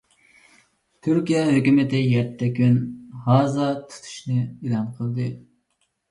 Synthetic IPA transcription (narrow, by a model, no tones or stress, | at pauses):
t̪ʰyɾkʲijɛɦøkʲymɪt̪ɪjɛt̪ʰːɛkʲynhɑːzɑt̪ʰu̥t̪ʰu̥ʃnɨilˠɑnqʰəlˠd̪ɨ